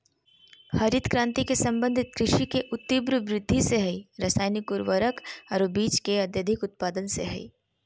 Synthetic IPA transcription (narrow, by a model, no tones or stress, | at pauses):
hɐɾɪt̪kɾãːnt̪ikesɐ̃mbə̃nd̪ʱɪt̪̚kɾɪʃikeʔʊt̪ːibɾəʋɾɪd̪ʱːiseɦɐiɾɐsaːjnikʊɾʋəɾəkɐɾobiːt͡ʃkeɐd̪jɐd̪ʱɪkʊt̪̚paːd̪ənsḛɦɐḭː